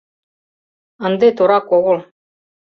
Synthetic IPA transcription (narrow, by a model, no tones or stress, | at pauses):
ɤ̆nd̪et̪uɾɑkoɣɤ̆lˠ